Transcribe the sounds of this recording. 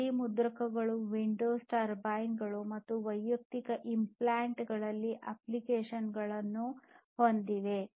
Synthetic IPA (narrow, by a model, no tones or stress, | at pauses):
imud̪ɾɐkɐɡɐɭuʋiɳɖoːsʈaːɾbaːjinɡɐɭumɐt̪ːuʋɐjːɐk̚t̪ikɐʔimplaːɳʈɡɐɭɐlːiʔɐplikeːʂɐnɡɐɭɐnːuhond̪iʋe̞